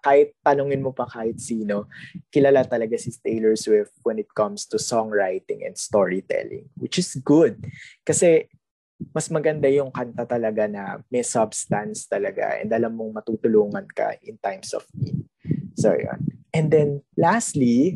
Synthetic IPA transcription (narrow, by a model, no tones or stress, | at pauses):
kaːhɪt̪̚ːɐnʊŋɪnmopɐkaːhɪt̪̚siːno̞kɪlaːlat̪ɐlɐɡasɪst̪elɛɹswɪfwɛnɪt̪̚kɐmst̪usɔŋɹajt̪ɪ̃ŋɛ̰nd̪̥st̪oɹit̪ɛ̰lɪ̰̃ŋwɪt͡ʃɪsɡʊd̪̚kɐsɛ | mɐsmɐɡɐnd̪ajʊŋkɐnt̪at̪ɐlɐɡanɐmɛsabst̪ɐnst̪ɐlɐɡa̰ʔɛ̰nd̪ɐlamːoŋmɐt̪uːt̪ʊluːŋɐnkɐ̰ʔɪnt̪ajmsɔ̰fmḭt̪ | so̰jo̰nʔɛnd̪ɛnlast̪li